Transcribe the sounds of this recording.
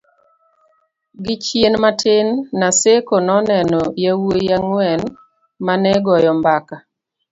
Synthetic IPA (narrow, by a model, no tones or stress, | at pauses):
ɡɪt͡ʃjenmatɪnːasekonɔnɛnɔjawojaŋwɛn | manɛɡɔjɔmbaka